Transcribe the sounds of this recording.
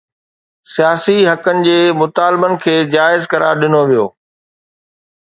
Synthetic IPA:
sijaːsiɦɐkənɪ̆d͡ʑeːmʊt̪aːlbənɪ̆kʰeːd͡ʑaːɪzkɐɾa̰ːɾɗɪnoʋijo̰ː

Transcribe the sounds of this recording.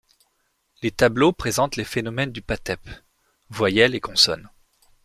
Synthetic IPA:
let̪ablopχezɑ̃t̪lefenɔmɛnd̪ypat̪ɛp | vwajɛlekɔ̃sɔ̰n

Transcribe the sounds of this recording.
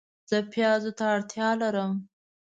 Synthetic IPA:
z̥əpjɑzot̪aːɽt̪jɑlaɾəm

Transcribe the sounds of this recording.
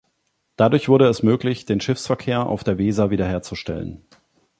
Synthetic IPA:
d̥adʊɐçv̥ʊɐɾəɛsmøːklɪçd̥eːnʃɪfsfɛɐkʰeːɐʔa̰ʊfd̥eːɐveːzaviːdɐheːɐt͡suʃtɛ̰lə̰n

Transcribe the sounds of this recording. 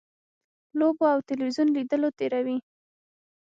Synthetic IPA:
loboawt̪ɪlwizjunlid̪əlot̪eɾawi

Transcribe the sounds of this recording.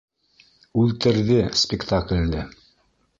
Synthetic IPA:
ʉlt̪ɘ̆ɾðɘspʲɪkt̪aklʲːɘ

